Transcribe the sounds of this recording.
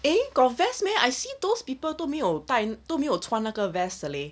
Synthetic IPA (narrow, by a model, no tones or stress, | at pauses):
ẽkɔvɛsmɛ̃ajsid̪ospipətomiɔtajntomĩɔtʰwãnakəvɛsəle